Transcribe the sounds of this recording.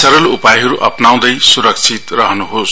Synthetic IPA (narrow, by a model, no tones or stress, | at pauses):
sʌɾʌlupajɦʌɾuʔʌ̰pnaw̃d̪ʌjsuɾʌk̚t͡sʰit̪rʌɦnuɦos